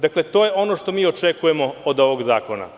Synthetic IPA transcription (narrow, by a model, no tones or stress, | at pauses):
d̪aklet̪oːjeo̞noʃt̪o̞miːot͡ʃekujemo̞ːd̪o̞ʋo̞ɡzaːko̞na̰